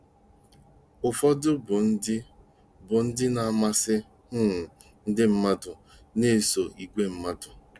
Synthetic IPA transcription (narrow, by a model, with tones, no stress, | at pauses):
ʊ˨fɔ˦dʊ˦bʊ˨n̩˦dɪ˦ | bʊ˨n̩˦dɪ˦na˨a˨ma˦sɪ˦ | ʊ˦˨ | n̩˦dɪ˦m̩˦ma˦dʊ˨ | ne˦˨so˨i˨ɡʷe˦m̩˦ma˦dʊ˨